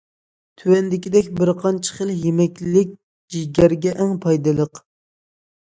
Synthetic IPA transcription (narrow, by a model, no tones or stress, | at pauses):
t̪ʰywɛnd̪ɪkʲid̪ɛkʲbɪɾqʰɑnt͡ʃʰə̥χəlˠjemɛkʲllɪk̚ʲ | d͡ʒiɡʲɛɾɡʲɛʔɛŋpʰɑjd̪ɨlˠəq